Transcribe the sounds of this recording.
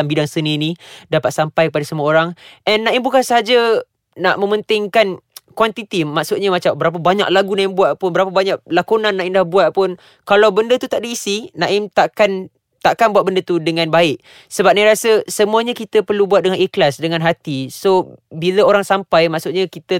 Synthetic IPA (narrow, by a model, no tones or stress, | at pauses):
ambidaŋsənĩnĩdapat̪̚sampajkəp̬adəsəmuaoɾaŋʔɛnːãɪmbukansəɦad͡ʒa | naʔmə̃mənt̪ɪŋkankwant̪it̪imaksʊt̪̚ɲamat͡ʃambəɾap̬əbaɲa̰ʔ̚laɡunãɪmbuat̪̚pʊnbəɾapəbaɲaʔ̚lakunãnːãimdahbuat̪̚pʊn | kalawbəndət̪ut̪aʔdiːsinãʔɪmt̪aʔkan | t̪aʔkanbuat̪̚bəndət̪udəŋãnbaɪʔ | səbap̚naɾasəsəmũaɲakit̪əpərlubuwat̪̚dəŋaniklasdəŋãnɦat̪isobiləoɾaŋsampajmaʔksʊt̪̚ɲakit̪ə